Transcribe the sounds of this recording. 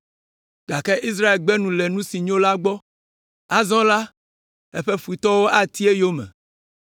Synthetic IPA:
ɡ̥a˨kɛ˦ʔi˦s̬ɾa˦e˨lɡ͡bɛ˦nũ˨lɛ˨nũ˦si˨ɲõ˦la˦ɡ͡bɔ˦ | a˦zɔ̃˦la˦ | ɛ̰˦ɸe˦ɸu˨i˨t̪ɔ˦wo˦ʔa˦t̪i˦e˦jo˦mɛ̰̃˨

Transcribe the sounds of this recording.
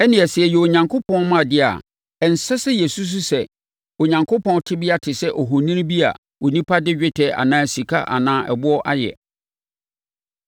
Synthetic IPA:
ɛ˦nɪ̃˨ɛ˨sɪ˨ɛ˨jɛ˨o˨ɲã˨ŋkʰo˦pʰɔ̃˦n˦mã˦˨dɪ˦a̰˨ | ɛ˨n̩˨sɛ˦sɛ˦jɛ˨su˦s̬ʊ˦sɛ˨ | o˨ɲã˨ŋkʰo˦pʰɔ̃˦n˦tʰɪ˦bɪ˦a˦tʰɪ˨sɛ˦ʔɔ˨ɦʊ˨nĩ˦n˦bi˦a̰˨ | o˨nĩ˦pʰa˦dɪ˦d͡ʑᶣɪ˦tʰɛ˨a̰˨nãː˦˨si˨kʰa̰˦ʔa̰˨nãː˦ʔɛ̰˨bʊ˦ɔ˦ʔa˦jɛ̰˨

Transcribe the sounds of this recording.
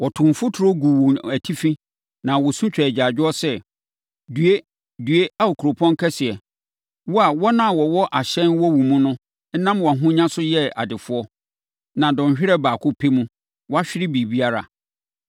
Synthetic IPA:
wɔ˨tʰʊ̃˨m˨fʊ˦tʰʊ˨ɾo˦ɡu˨wo˨næ˨tʰi˦fĩ˦ | nã˨wɔ˨sũ˦t͡ɕᶣɛ˨æ˨d͡ʑa˨d͡ʑᶣɪ˦ɔ˦sɛ˦ | dɥe˦ | dɥe˦a˦o˨kʰu˨ɾo˨pʰɔ̃˦ŋ˦kʰɛ˦sɪ˨ɛ˨ | wɔ˦a˨wɔ˦nã˦˨wɔ˨wɔ˦ʔa˨ɕɛ̃˦nwɔ˦wũ˨mũ˦nʊ̃˦ | n̩˦nã˦mwɔ˨ɦʊ̃˦ɲã˦sʊ˦jɛ˦a̰˨dɪ˨fʊ˦ɔ˦ | nã˨dɔ̃˨n˨ɕᶣɪ˦ɾɛ˦baː˨kʰʊ˦pʰe˦mũ˦ | wɔ˦a˦ɕᶣɪ˦ɾɪ˦biː˨bi˦a˦ɾa̰˨

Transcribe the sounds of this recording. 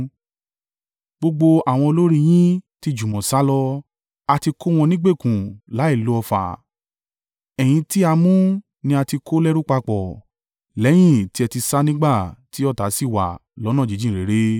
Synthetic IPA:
ɡ͡bo˧ɡ͡bo˧a˨w̃ɔ̃˧o˧lo˦ɾi˦˧j̃ĩ˦ti˦d͡ʒũ˨mɔ̃˨sa˦lɔ˧ | a˧ti˧ko˦w̃ɔ̃˧nĩ˦ɡ͡be˦˨kũ˨la˨˦i˦˨lo˨˦ɔ˧fa̰˨ | ɛ˨j̃ĩ˧ti˦a˧mũ˦ | nĩ˧a˧ti˧kʰo˦lɛ˦ɾu˦k͡pa˧k͡pɔ˨ | lɛ˨˦j̃ĩ˦˨ti˨˦ɛ˧ti˧sa˦nĩ˦ɡ͡ba˦˨ti˦ɔ˦˨ta˨˦si˦˨wa̰˨lɔ˨˦nã˦˨d͡ʒi˨˦d͡ʒĩ˦˨ɾe˨˦ɾe˦

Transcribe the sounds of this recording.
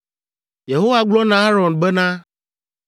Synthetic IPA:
je˨ɦo˦wa˦ɡ͡blɔ˦nã˦a˦ɾɔ˨nbɛ˦nã˦

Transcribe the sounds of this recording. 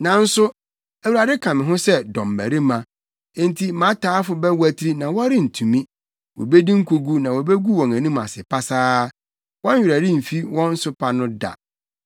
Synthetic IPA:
nã˨n̩˦sʊ˦ | æ˨wu˨ɾa˨dɪ˦kʰã˨mɪ̃˨ɦʊ̃˦sɛ˦dɔ̰̃˨mː˨æ̰˨ɾi˦mã˨ | ẽ˦ntʰi˦mã˨˦tʰaː˨˦fʊ˨bɛ˦wæ˦tʰɾi˦nã˨wɔ˦ɾɪ˦n̩˨tʰũ˨mĩ˦ | wɔ̰˨be˦dĩ˦ŋ̩˦kʰo˨ɡu˦nã˨wɔ˨be˦ɡu˦wɔ̃˨ŋæ̃˨nũ˦ma̰˨sɪ˨pʰa˦saː˦ | wɔ̃˦i˨ɾæ˨dɪ̃˦m̩˨fi˦wɔ̃˦n̩˦sʊ˦pʰa˨nʊ̃˦da̰˨

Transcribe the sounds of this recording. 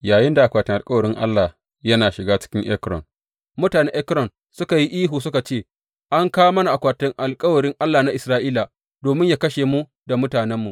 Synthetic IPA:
jaː˨jɪ˦nda˨ʔa˨kʷaː˨tɪ˦ŋʔa˨kʼɐ˦wɐ˨ɾɪ˦ŋʔa̰˦lːa˨ | jɐ˦naː˨ʃɪ˨ɡaː˦t͡ʃɪ̥˦kʲɪ˦ŋʔɛ˦kɾɔ̰˨n | mʊ˦taː˨ne˦ʔɛ˦kɾɔ˨n | sʊ˦ka˨ji˦ʔiː˦ɦuː˨sʊ˦ka˨t͡ʃeː˦˨ | ʔa˦ŋkaː˦wmɐ˦na˨ʔa˨kʷaː˨tɪ˦ŋʔa˨lkʼɐ˦wɐ˨ɽɪ˦ŋʔa˦lːaː˨na˦ʔɪ˨sɾaː˦ʔiː˦la˨ | doː˨mɪ˦ɲjaː˦kɐ˦ʃeː˨mu˦ | da˨mʊ˦taː˨nɛ˦mːu˨ʔ

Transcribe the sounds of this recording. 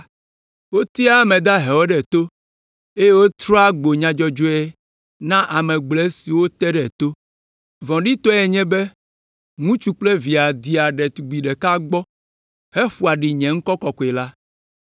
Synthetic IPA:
wo˦t̪i˦a˦mɛ̃˨d̪a˦ɦɛ˨wɔ˦ɖɛ˨t̪o˦ | e˦je˦wo˦t̪ɾɔ˦a˦ɡ͡bo˨ɲã˨d͡ʒɔ˦d͡ʒo˦ɛ˦ | nã˦ʔa˨mɛ̃˨ɡ͡blɛ˦si˨wo˦t̪ɛ˦ɖɛ˨t̪o˦ | vɔ̃˨ɖi˦t̪ɔ˦ɛ˨ɲɛ̃˦be˦ | ŋũ˦t͡ʃu˦k͡ple˦vi˨a˨d̪i˨a˨ɖɛ˨t̪u˨ɡ͡bi˨ɖɛ˨ka˦ɡ͡bɔ˦ | hɛ˦ɸu˨a˨ɖi˨ɲɛ̃˨ŋ̩˦kɔ˦kɔ˨kɔ˨ɛ˨la˦

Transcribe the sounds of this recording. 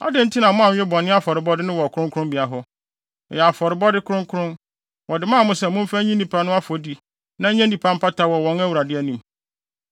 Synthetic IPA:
a̰˦dɪ̃˦n̩˦tʰi˦nã˨mʊ̃˦ã˨ɲᶣ˨ɪ̃˦bɔ˨nɪ̃˦a˦fɔ˨ɾɪ˨bɔ˦dɪ˦nʊ̃˦wɔ˨kʰʊ̃˦ŋkʰʊ̃˦mbi˨a˨ɦɔ˦˨ | jɛ˨a˨fɔ˨ɾɪ˨bɔ˦dɪ˦kʰʊ̃˦ŋkʰʊ˦ɾʊ̃˦n | wɔ˨dɪ˨mãː˦˨mʊ̃˦sɛ˨mʊ̃˦m˦fa˦ɲĩ˦nĩ˨pʰa˨˦nʊ̃˦a˦fɔ˨di˦ | nã˦ɲɛ̃˦nĩ˨pʰã˦m̩˦pʰa˦tʰa˦wɔ˨wɔ̃˨˦ŋæ˦wu˨ɾa˨dɪ˦ɛ˦nĩ˨m

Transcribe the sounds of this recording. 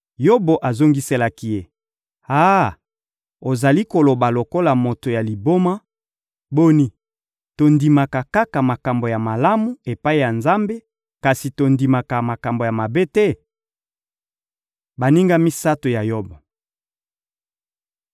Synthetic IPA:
jo˦bo˨ʔa˨zo˦ŋɡi˦se˦la˦ki˦je˦ | a˦ | o˨za˨li˦ko˨lo˨ba˨lo˨ko˦la˨mo˨to˨ja˨li˨bo˦ma˦ | bo˦ni˦ | to˨ndi˨ma˨ka˨ka˦ka˨ma˨ka˨mbo˨ja˨ma˨la˦mu˨e˨pa˦i˦ja˨nza˦mbe˦ | ka˨si˨to˨ndi˨ma˨ka˨ma˨ka˨mbo˨ja˨ma˨be˦tɛ˦ | ba˨ni˦ŋɡa˦mi˦sa˦to˨ja˨jo˦bo˨

